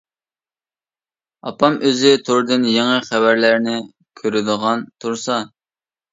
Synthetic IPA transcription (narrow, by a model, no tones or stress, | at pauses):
ɑ̰pɑmøzɪt̪ʰoɾd̪ɪnjeŋəχævæɾlæɾnɪ | kʲʰøɾɪd̪əʁɑnt̪ʰuɾsɑ